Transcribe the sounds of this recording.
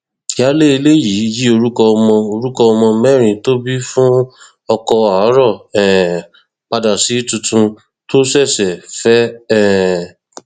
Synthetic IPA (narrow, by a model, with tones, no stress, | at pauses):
ja˦le˦i˧le˦ji˨˦ji˦o˧ɾu˦kɔ˧ɔ˧mɔ̃˧o˧ɾu˦kɔ˧ɔ˧mɔ̃˧mɛ˦ɾ̃ĩ˨to˦bi˦fũ˦ | ɔ˧kɔ˧a˨˦ɾɔ˦˨ɛ˨ | k͡pa˧da˨si˨˦tũ˧tũ˧ | to˦sɛ˦˨sɛ˨fɛ˦ɛ˦˨